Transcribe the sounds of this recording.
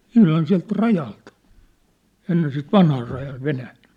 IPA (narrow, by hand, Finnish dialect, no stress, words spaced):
ihlɑn siæ̝lt rɑjɑlt enːen sit ʋɑnhɑː rɑjɑː ʋenæːn̞